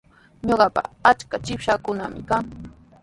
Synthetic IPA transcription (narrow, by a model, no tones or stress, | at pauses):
ɲoɢɑpa̰at͡ʃkat͡ʃɪpʃakʊnamɪkaŋ